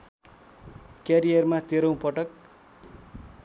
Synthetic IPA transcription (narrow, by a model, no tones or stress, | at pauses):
kjaɾijʌrmat̪eɾʌ̃w̃pʌʈʌk̚